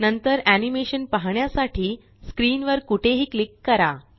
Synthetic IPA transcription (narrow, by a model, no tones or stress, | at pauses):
nənt̪əɾænimeɕənpaɦɳjasaʈʰiː | skɾiːnʋəɾkuʈʰeɦiːklikːəɾa